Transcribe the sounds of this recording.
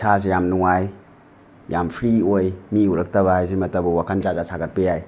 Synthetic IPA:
sʰas̬ejamnuŋaj | jampʰɾiojmiuɾɐk̚tɐβaɦajsemɐtɐbɐwakʰand͡ʒazasʰaɡɐt̚pejaj

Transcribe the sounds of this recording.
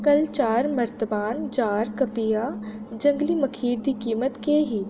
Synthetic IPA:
kɐlt͡ʃaːɾmɐɾt̪əbaːnd͡ʒaːɾkɐpija | d͡ʒɐ̃ŋɡlimɐkʰiːɾd̪iːkiːmət̪keɦiː

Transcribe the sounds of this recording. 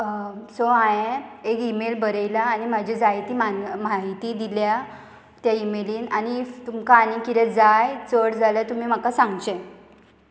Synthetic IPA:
soãẽekimelbəɾəjlaːnimad͡ʑʱed͡zajt̪iːmamaɦit̪iːd̪ilja | t̪jaimeliːnanit̪umkaːnikiɾɛd͡zajt͡səɽd͡zʱalat̪um̤im̤akasãŋɡt͡ɕe

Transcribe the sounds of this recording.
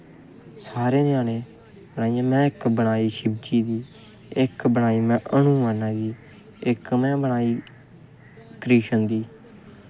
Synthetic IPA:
saːɾeːneaːnẽː | bənaːijãːmɛ̃ːɪkbəɳ̃aːiːʃɪbt͡ʃiːd̪iː | ɪkbəɳaːiːmɛ̃ːʔənũːaːnãːɡiː | ɪkmɛ̃ːbəɳ̃aːiː | kɾiːʃənd̪iː

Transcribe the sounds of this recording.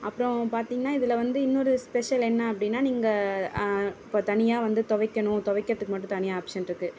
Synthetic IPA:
ɐpːɯɾɔ̃paːɾt̪iːŋɡɐnaːɪðɪlɐʋɐnd̪ɯɪnːɔɾɯspɛʂɐlɛnːɐɐpːɐɽɪnːaːniːŋɡɐ | ɪpːot̪ɐnɪjaːʋɐnd̪ɯt̪ɔʋɐɪkːɐɳʊ̃t̪ɔʋɐɪkːɪɾɐt̪ːɯkːɯmɐʈːʊ̃t̪ɐnɪjaːpʂɐnɪɾɯkːɯ

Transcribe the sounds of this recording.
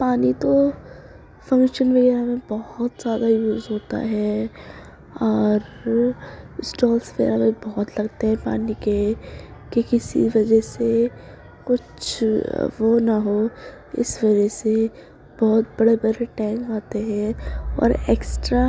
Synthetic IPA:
paːnit̪o | fɐ̃ŋkʃənʋɐɣɛːɾamẽbɔɦʊt̪z̥jaːd̪ajuːzɦoːt̪a̰ɦɛ | ɔːɾ | sʈɔːlsfḛːɾabɐbɔɦʊt̪lɐɡt̪eɦɛ̃pa̰ːnikekikɪsḭʋɐd͡ʒəɦse | kʊt͡ʃʰ | ʋonaɦo | ɪ̰sʋɐd͡ʒɛse | b̥ɔɦʊt̪̚bɐɽebɐɽeʈɛ̃ːŋkaːt̪eɦɛ̃ɔ̰ːɾeːksʈɾa

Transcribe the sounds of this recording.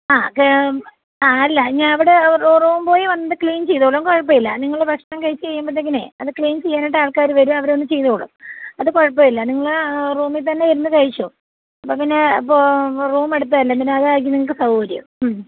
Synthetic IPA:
aːk | aːɐlːɐɲaːnɐʋiɽeruruːmpo̞ːjiʋɐnːɐðɨkɭiːnt͡ɕe̞jt̪oːɭumkoɻɐp̬ːɐjilːɐ̰niŋːɐɭeprɐkʂnɐːmkɐɻit͡ɕːɨt͡ɕejːumbɐðːeŋːɐnḛɐðɨkɭiːnt͡ɕejːaːniʈːaːɭkaːɾɨʋɐɾumɐʋɐɾonːɨt͡ɕe̞jt̪oːɭṵmɐðɨkoɻɐpːɐjilːɐniŋːɐɭruːmit̪̬ɐnːejɐɾunːɐkɐɻit͡ɕːo | ɐpːoːpinːeipːoruːme̞ɽut̪ːaːilːɐpineɐðɨaːjk̬ʲːilniŋːɐɭkːɨsɐwɐɾjṵmm

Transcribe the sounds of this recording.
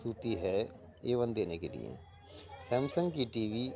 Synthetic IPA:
uːt̪iːɦɛː | eːʋənd̪eːneːkeːlɪ̰jḛ̃ː | sɛ̃ːmsə̃ŋɡkiːʈiːʋiː

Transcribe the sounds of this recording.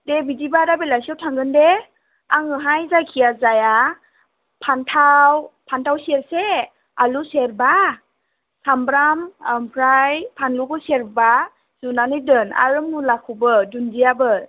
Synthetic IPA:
debidibaɾabelajsiɔwtʰaŋɡɯnde | aŋɯɦajzakʰijazaja | pʰantʰawpʰantʰawsieɾse | aluseɾba | sambɾammpʰɾajpʰanlukʰɔseɾba | z̥unanɯdɯna̰ɾɯmulakʰubɯdunzijabɯ

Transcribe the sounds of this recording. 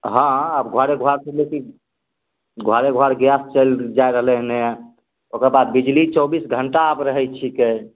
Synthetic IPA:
ɦãəbɡʱwaɾeɡʱwaɾsəleki | ɡʱwaɾeɡʱoaɾɡjast͡ʃəld͡ʒajɾəɦlɛɦnẽ | okəɾbad̪̚bid͡ʒlit͡ʃɔbisɡʱəɳʈaːbɾəɦɛt͡ʃʰike

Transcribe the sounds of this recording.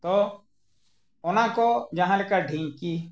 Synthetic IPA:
t̪o | ʊnãkod͡ʒaɦãlekaɖʱĩːki

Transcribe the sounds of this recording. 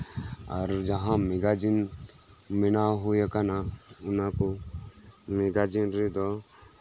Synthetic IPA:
ɔ̰ɾd͡ʒəɦãmeɡad͡ʒin | mɪnaɦojakanaʊnãko | meɡad͡ʒinɾed̪ɔ

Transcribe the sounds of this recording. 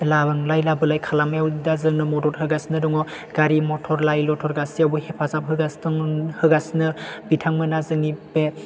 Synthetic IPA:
labɯŋlajlabɯlajkʰalamjawdazɯŋnɯmɔdɔt̚hɯɡasnɯdɔŋɔ | ɡ̥aɾimɔtʰɔɾlajlɔtʰɔɾɡasiawbuhepʰazap̚ɦɯɡasɯŋhɯɡasnɯbitʰaŋmɯnazɯŋipe

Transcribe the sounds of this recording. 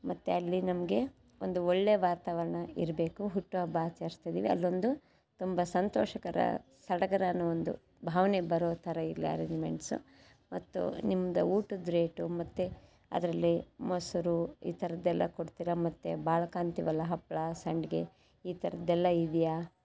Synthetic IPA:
mɐt̪ːeɐlːinɐmɐɡe̞ | ond̪uoɭːeʋaːt̪aːʋɐɾɐɳɐiɾɐbe̞ːkuɦuʈːuʋɐbaːt͡ʃɐɾst̪ɐjd̪iːʋiɐ̰lːo̞nd̪u | t̪umbɐsɐnt̪oːʃɐkɐɾɐ̰ | sɐɽɐɡɐɾaːnuond̪ṵ | bʱaːʋɐnebɐɾoːt̪ʰɐɾɐiɾliɐ̰ɾeɲd͡ʒmeɳʈsṵ | mɐt̪ːṵnimːɐd̪ɐuːʈud̪ɾeːʈumɐt̪ːe | ɐ̰d̪ɐɾɐlːimɐsuɾuḭːt̪ʰɐɾɐd̪ɛlːɐ̰koɽt̪iːɾɐmɐt̪ːebaːɭɐkaːnt̪iʋɐlːɐɦɐpːɭɐsɐɳɖɡe | iːt̪ʰɐɾɐd̪ɛlːɐid̪ija

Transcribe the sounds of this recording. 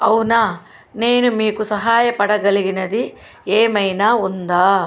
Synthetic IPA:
ɐwnaː | neːnumiːkusɐɦaːjɐpɐɽɐɡɐliɡinɐd̪i | eːmɐjnaːund̪aː

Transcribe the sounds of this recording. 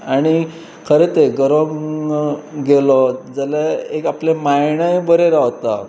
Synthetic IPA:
aɽ̃i | kʰəɾet̪eɡəɾoŋ | ɡelɔd͡zəlaekaplemajɳəjbəɾeɾaʋt̪a̰

